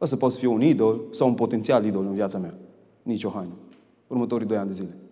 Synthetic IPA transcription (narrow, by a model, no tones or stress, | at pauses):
əsəpɔt̪sfieunid̪olsawunpot̪ent̪sialid̪olənvjat̪samea | nit͡ʃoɦajnu | urmət̪oɾid̪ojand̪əzile